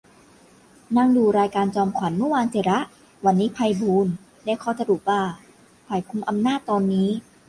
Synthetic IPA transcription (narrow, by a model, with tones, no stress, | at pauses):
na˧ŋduː˧˩ɾaː˧jkaː˧nt͡ɕɔː˧mkʰwa˩˦nmɯ˥˨waː˧nsʰi˨˩˦ɾa˦˥ʔ | wa˧nːiː˦˥pʰa˧jbuː˧n | daː˧˩kʰɔː˧˥˩sa˧ɾuː˨˩p̚baː˧˩ | pʰaː˨˩jkʰu˧mʔa˧mnaː˥˩t̪ːɔː˧nːiː˦˥